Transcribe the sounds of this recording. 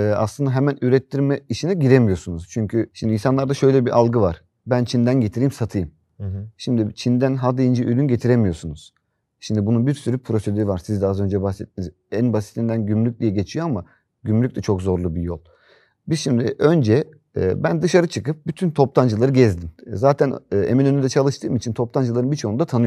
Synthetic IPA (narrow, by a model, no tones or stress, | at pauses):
ɛːa̰slˠɯnd̪aɦemænyɾɛt̪ʰːiɾmɛiʃinɛɟiɾemijo̞ɾsunuz̥t͡ʃʰyɲcʰyʃimd̪insanlˠaɾd̪aʃø̞jlʲɛbiʔalˠɡɯvaɾ̥ | bænt͡ʃʰind̪ænɟe̞t̪ʰiɾijmsat̪ʰɯjɯm | ʃimd̪it͡ʃʰind̪ænɦad̪ijind͡ʒɯʔølʲynɟet̪ʰiɾemijo̞ɾsunuz̥ | ʃimd̪ibununbiɾsyɾypʰɾo̞sed̪øɾivaɾsizd̪ɛazø̞nd͡ʒɛbaxsɛt̪̚ːiniz | ænbasit̪lʲind̪ænɟymlʲyc̚d̪ijɛɟe̞t͡ʃʰijoama | ɟymlʲyc̚t̪ʲɛt͡ʃʰokzo̞ɾlˠubijo̞lˠ | bizʃimd̪iʔø̞nd͡ʒɛ̰ː | bænd̪ɯʃaɾɯt͡ʃʰɯkɯp̚byt̪ʰynt̪ʰo̞plˠand͡ʒɯlˠaɾɯɟɛzd̪imzaːt̪ʰænːeminønyd̪ɛt͡ʃʰalˠɯʃt̪ʰɯːmit͡ʃʰint̪ʰo̞plˠand͡ʒɯlˠaɾɯnbit͡ʃʰo̞und̪at̪ʰanɯjo